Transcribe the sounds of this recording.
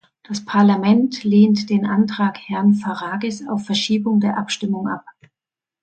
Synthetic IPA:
d̥aspʰaɐlamɛntleːntd̥eːnʔantʁ̥aːkhɛɐnfaʁaːɡɛsa̰ʊfːɛɐʃiːbʊŋdeːɐʔapʃtɪmʊŋʔa̰p̚

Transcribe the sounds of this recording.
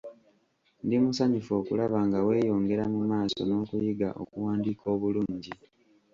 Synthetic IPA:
ndimusaɲufo̞ːkulaβaːŋɡawe̞ːjo̞ːŋɡe̞ɾamumaːso̞̰no̞ːkujiɡaʔo̰kuwaːndiːkʰo̞ːβuluːɲɟi

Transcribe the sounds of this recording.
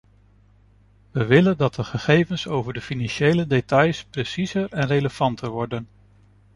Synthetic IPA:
ʋəʋɪləndɑt̚dəχəχejvənsowvəɹdəfinɑnʃejlədetɑjspresizəɹɛnreləv̥ɑntəɹʋɔɹdən

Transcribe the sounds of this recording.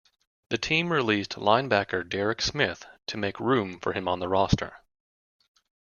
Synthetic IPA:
ðɨtʰĩmɹilistlãɪ̃nbækə˞dɛɹɨksmɪθtʰɨmeɪkɹʉ̃ɱfə̰˞ɨ̃mə̃nðəɹɑstʰə̰˞

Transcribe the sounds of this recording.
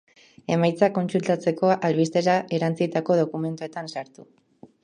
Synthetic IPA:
e̞majt͡sako̞nsult̪at͡se̞ko̞ʔalβist̪e̞ɾaʔe̞ɾant͡sit̪ako̞ð̞o̞kume̞nt̪uet̪ansaɾt̪u

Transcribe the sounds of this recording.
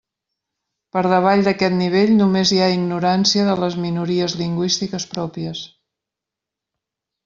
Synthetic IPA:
pəɾð̞əβ̞aʎd̪əkɛt̪niβ̞eʎnumeziaiɡnuɾansiəðələzminuɾiəzliŋɡwist̪ikəspɾɔpiəs

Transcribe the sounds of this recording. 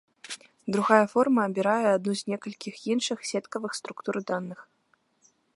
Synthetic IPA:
d̪ɾuɣajɐfɔrmɐːbʲiɾajɛad̪nuzʲnʲɛkɐlʲkʲixjinʂɨxsʲɛt̪kɐvɨxst̪ɾukt̪uɾd̪anːɨx

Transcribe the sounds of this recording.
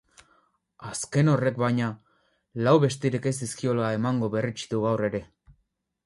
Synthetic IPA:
aske̞no̞re̞kbajɲa | lawβe̞st̪iɾeke̞ziskio̞laemaŋɡo̞βe̞rit͡ʃi̥ðuɣawre̞ɾe̞

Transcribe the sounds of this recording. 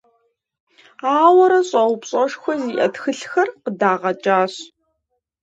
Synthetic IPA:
aːwɐɾɐɕʼɐwpɕʼɐʃxʷɔziːʔɐ̰txɨɬxɐrqədaːʁɐt͡ʃʼaːɕ

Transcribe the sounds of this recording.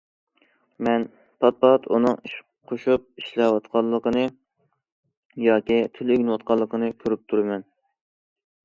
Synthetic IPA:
mɛn | pʰɑt̪̚pɑɑt̪ʰunɨŋiʃ | qʰoʃup̚iʃlɛwɑt̪qʰɑlˠːəqənɨ | jɑːkʲit̪ʰyløɡʲnwɑt̪̚qɑlˠːəqʰənɨkʲʰøɾyp̚t̪ʰuɾɨmɛn

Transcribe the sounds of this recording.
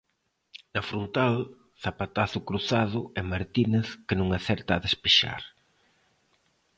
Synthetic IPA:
nɐfɾont̪al | θapat̪aθʊkɾuθaðʊɛmaɾt̪ineθkɪnũŋaθɛɾt̪aːðespeʃa̰ɾ

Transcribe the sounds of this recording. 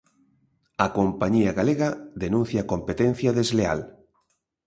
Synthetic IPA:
akompaɲiaɣaleɣaðenũn̟θjakompet̪ẽn̟θjaðezlea̰l

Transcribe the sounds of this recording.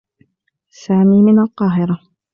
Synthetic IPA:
saːmiːmɪnalqɑːɦɪɾa

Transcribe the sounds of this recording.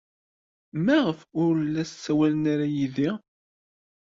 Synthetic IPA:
mæʁəfʊɾəlːæssːæwælənaɾajiði

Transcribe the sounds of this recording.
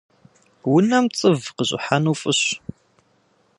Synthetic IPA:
wʊnɐmt͡sʼəvqəʑʼɪ̰ħanufʼɨɕ

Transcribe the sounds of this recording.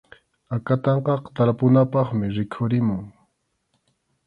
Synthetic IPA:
akat̪ɑɴqɑqt̪aɾpʊnapɑχmɪɾɪkʰʊɾɪmʊŋ

